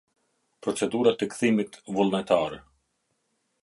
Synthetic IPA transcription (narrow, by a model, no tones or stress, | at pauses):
pɾɔt͡sɛd̪uɾat̪ɛkθimit̪vulˠnɛt̪aɾɛ